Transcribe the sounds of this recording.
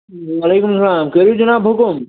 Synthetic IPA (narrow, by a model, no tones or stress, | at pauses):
ʋɐleːkʊmsɐlaːmkɐɾud͡ʒɐnaːbʱokom